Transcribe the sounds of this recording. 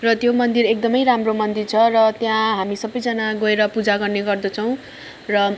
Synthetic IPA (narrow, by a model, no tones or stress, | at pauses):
rʌt̪jomʌnd̪irek̚d̪ʌmʌjramromʌnd̪irt͡sʰʌrʌt̪jãɦamisʌbʌjd͡zʌnaɡoeɾʌpud͡zaɡʌrneɡʌrd̪ʌt͡sʰʌw̃ | rʌ